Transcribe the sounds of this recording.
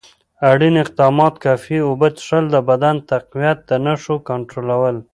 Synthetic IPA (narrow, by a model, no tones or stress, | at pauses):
aɽinɪq̚d̪ɑmɑt̪kɑfiobət̪ʂəld̪əbad̪ant̪aqwijat̪̚d̪ənaʂokaɳʈɾolawəl